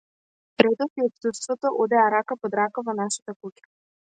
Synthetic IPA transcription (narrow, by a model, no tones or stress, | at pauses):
ɾɛd̪ɔt̪iɔpst̪ut̪st̪vɔt̪ɔʔɔd̪ɛaɾakapɔd̪ɾakavɔnaʃḁt̪akucʲḁ